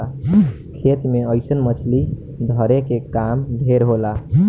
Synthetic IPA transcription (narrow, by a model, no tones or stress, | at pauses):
a | kʰet̪meəjsənmət͡ʃʰli | d̪ʱəɾekekamdʱeɾɦola